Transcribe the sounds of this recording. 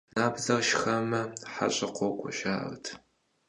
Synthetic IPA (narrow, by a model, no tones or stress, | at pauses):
naːbzɐrʃxɐmɐħa̰ɕʼɪqʷɔwkʷʼɔɕaːʔrtʰ